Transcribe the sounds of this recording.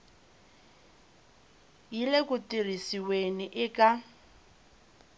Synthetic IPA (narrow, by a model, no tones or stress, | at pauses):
jilekʼʊtirisiweniʔɪkʼa